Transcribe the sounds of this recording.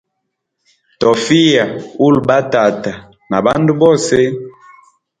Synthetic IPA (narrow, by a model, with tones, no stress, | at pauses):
tɔ˨fi˦ja˨u˦˨lba˦ta˨ta˨ | na˨ba˦ndu˦bɔ˦˨se˦